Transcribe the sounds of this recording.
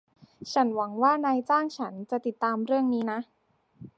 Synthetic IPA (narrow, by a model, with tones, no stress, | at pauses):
t͡ɕʰa˦˥nwa˩˦ŋwaː˥˩naː˧jt͡ɕaː˥˩ŋt͡ɕʰa˦˥nt͡ɕa˨˩t̪i˨˩t̪ːaː˧mɾɯ˥˩əŋniː˦˥na˦˥ʔ